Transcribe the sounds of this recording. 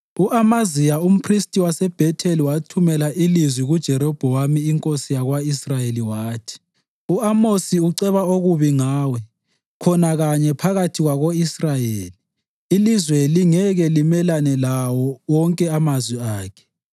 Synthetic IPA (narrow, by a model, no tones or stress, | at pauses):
uʔamazijaum̩pʰristʼiwasɛb̥ʱɛtʰeliwatʰumɛlaʔilizwiɣud̥ʒ̥ʱɛɾɔb̥ʱɔwamiːŋkʼosijaɣwaisrajeliwaːtʰi̥ | uamosiuǀɛβaoɣuβiŋaːwɛ | kʰɔnaɣaɲɛpʰaɣatʰiɣwaɣoisrajeːliː | lizweliŋɛɣɛlimɛlanɛlawɔwɔŋkʼɛamazwiaːkʰɛ̥